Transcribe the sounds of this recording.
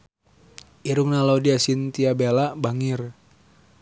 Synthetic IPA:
ʔiɾuŋnaladiasint̪iabelabaŋir

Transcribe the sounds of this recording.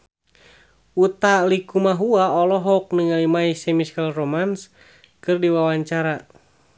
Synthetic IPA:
ut̪alikumaɦuaɔlɔɦɔuk̚nɨŋalimaisɛmiskalromans | kɨrdiwawaɲt͡ʃaɾa

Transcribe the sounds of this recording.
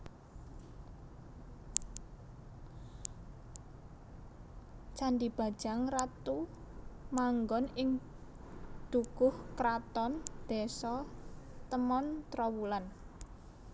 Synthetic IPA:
t͡ʃandib̥a̤̥ʒ̥a̤ŋrat̪u | maŋɡɔnɪŋ | d̪̥uɡ̥ʊhkɾat̪ɔnd̪̥ɛsɔt̪əmɔnt̪ɾɔwulan

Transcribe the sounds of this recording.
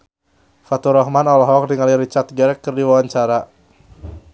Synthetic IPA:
fat̪uɾɔɦmanɔlɔɦɔk̚diŋaliɾit͡ʃat̪̚ɡɛɾɛkːərdiwawaɲt͡ʃaɾa

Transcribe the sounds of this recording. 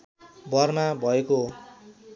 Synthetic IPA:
bʱʌrmabʱʌeko

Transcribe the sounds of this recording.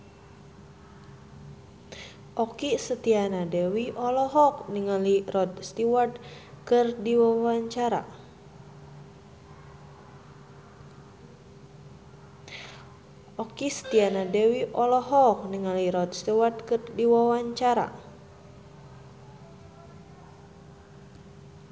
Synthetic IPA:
ʔɔkisət̪ianadewiʔɔlɔɦɔk̚niŋalirɔd̪st̪iwart̪̚ | kɨrdiwawaɲt͡ʃaɾa̰ | ʔɔkisə̥t̪ianadɛwiʔɔlɔɦɔk̚niŋaliɾɔd̪̚st̪iward̪̚kɨrdiwawaɲt͡ʃaɾa̰

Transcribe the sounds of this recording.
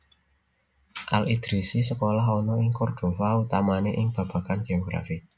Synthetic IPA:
ʔalid̪̥ɾisisəkolaɦɔnɔɪŋkɔrɖ̪̥o̤faut̪amaneʔɪŋb̥ä̤b̥ä̤kanɡ̥eoɡ̥ɾa̰fi

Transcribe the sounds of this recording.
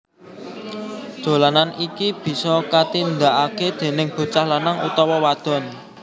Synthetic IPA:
dd̥dʒ̥o̤lananikib̥i̤sɔkat̪ind̪aʔaked̪̥e̤nɪŋb̥o̤t͡ʃahlanaŋṵt̪ɔwɔwad̪̥ɔ̤n

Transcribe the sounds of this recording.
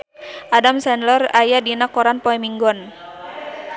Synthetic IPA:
ʔadamsɛnlɔrajadinakːɔɾanpɔɛmiŋɡɔn

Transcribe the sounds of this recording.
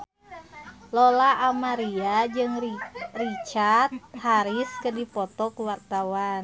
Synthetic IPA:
lɔlaʔːmaɾiad͡ʒɨŋrit͡ʃart̪̚haɾiskədipɔt̪ɔkuwart̪awan

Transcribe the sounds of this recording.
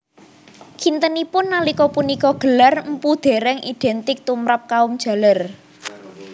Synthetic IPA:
kʰint̪ənipʊnːalikɔpunikɔɡ̥ə̤larm̩pud̪̥e̤ɾɛŋid̪̥ɛ̤nt̪ɪk̚t̪umɾap̚kaʊmd̥ʒ̥a̤lar

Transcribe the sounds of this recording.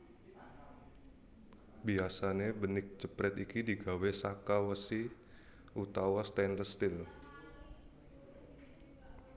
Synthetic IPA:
biasanebənɪk̚t͡ʃəpɾɛt̪ikidiɡawesakawəsi | ʔut̪awast̪ɛndəst̪ɪl

